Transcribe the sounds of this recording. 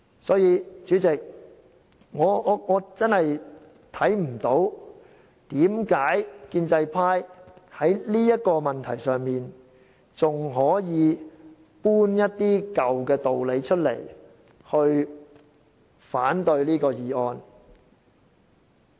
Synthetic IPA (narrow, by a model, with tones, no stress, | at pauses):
sɔː˨˥jiː˧t͡ʃyː˨˥t͡sɪ˨k̚ | ŋɔː˨˧˨ŋɔː˨˧t͡sɐ˥nhɐ˨j | t̪ʰɐ˨˥jm̩˨˩t̪o˨˥w | t̪iː˨˥mkaː˨˥jkiː˧nt͡sɐ˧jpʰaː˥jhɐ˨˥jliː˥jɐ˥t̚kɔː˧mɐ˨nt̪ʰɐ˨˩jsœː˨˩ŋmiː˨n | t͡sʊ˨ŋɦɔː˨˥jiː˨˧ | puː˥njɐ˥t̚t̪iː˥kɐ˨wkɛː˧t̪o˨wle˨˧jt͡ʃʰɵ˥t̚lḛ˨˩j | hɵ˧ɥ | faː˨˥nt̪ɵ˧ɥliː˥kɔː˧jiː˨˩ɔː˧n